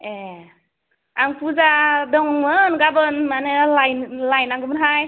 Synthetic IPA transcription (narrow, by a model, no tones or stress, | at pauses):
e | aŋpʰuzadɔŋmɯnɡabɯnmanɯlajnlajnaŋɡɯmɯnɦaj